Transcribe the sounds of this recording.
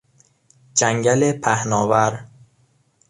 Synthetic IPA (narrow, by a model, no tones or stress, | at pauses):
d͡ʒæŋɟælepʰæhnɒːvæɾ